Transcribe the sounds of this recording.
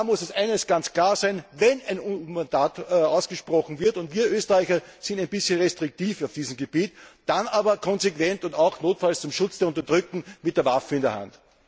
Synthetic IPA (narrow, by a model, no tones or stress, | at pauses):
mʊsɛsʔæɪnəsɡ̥ant͡skʰl̥aːɐzæɪnvɛnæɪnmandaːtaʊsɡ̥əʃpʁ̥ɔxn̩vɪɐtʊntviːɐʔøːstəʁæɪçɐsɪ̃ntæɪnbɪsçənʁɛstʁ̥ɪk̚tiːfaʊfd̥iːzəm̩ɡeb̥iːtd̥anaːbɐkʰɔnzekv̥ɛntʊntaʊxnoːtfalst͡sʊmʃʊt͡sd̥eːɐʊnt̬ɐdʁʏk̚tŋ̩mɪtd̥eɐvafəɪndeɐha̰nt